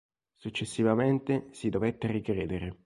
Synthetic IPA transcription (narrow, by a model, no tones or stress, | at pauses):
sut͡ʃːesːivament̪esid̪ovet̪ːerikɾeːd̪eɾe